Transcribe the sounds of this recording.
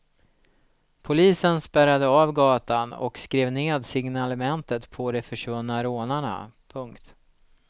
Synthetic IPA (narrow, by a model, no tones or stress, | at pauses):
pʰʊliːsənspæɾad̪əaːvɡɑːt̪anɔ̰kskɾeːvneːd̪sɪŋnalɛmɛnt̪ət̪pʰɔd̪ɛfœʂvɵnːaɾoːnaɳa̰pʰɵŋkt̪